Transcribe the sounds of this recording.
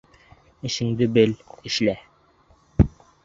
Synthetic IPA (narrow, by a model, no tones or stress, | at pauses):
ɘ̆ʃɘ̆ŋd̪ɘbɘlɘ̆ʃlæ